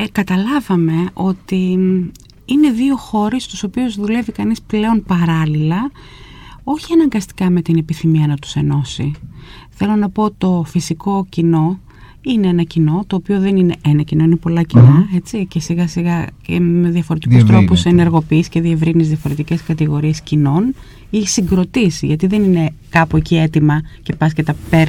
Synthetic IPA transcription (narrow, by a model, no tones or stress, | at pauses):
kɐt̪ɐlɐvɐme̞o̞t̪i | ine̞ðio̞xo̞ɾest̪u̥so̞piozðule̞vikɐnisple̞o̞npɐɾɐlilɐ | o̞çiɐnɐŋɡɐst̪i̥kɐme̞t̪inepiθimiɐnɐt̪u̥se̞no̞sḭθe̞lo̞nɐpo̞ot̪i̥t̪o̞fisiko̞cino̞ | ineenɐcino̞t̪o̞ːpio̞ðe̞nine̞ʔenɐcino̞inepo̞lɐcinɐe̞t͡sice̞siɣɐsiɣɐcme̞ðiɐfoɾe̞t̪ikust̪ɾo̞pusene̞ɾɣo̞piːsce̞ðie̞vɾinizðiɐfo̞ɾe̞t̪ice̞skɐt̪iɣo̞ɾie̞scino̞n | isiŋɡɾo̞t̪isʝɐt̪iðe̞nine̞kɐpuecie̞t̪imɐce̞pɐsket̪ɐpeɾ